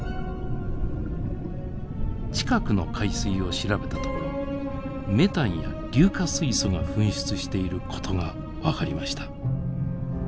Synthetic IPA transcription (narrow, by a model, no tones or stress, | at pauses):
t͡ɕi̥kakɯ̟no̞kʰaisɨio̞ɕiɾabe̞t̪at̪o̞koɾo | me̞t̪ãɰ̃ja̰ɾʲɨːkasɨiso̞ɡaɸɯ̟̃ɰ̃ɕɨ̥t͡sɨɕi̥t̪e̞iɾɯ̟kʰo̞̥t̪ʰo̞ɡa | βakaɾʲimaɕi̥t̪ḁ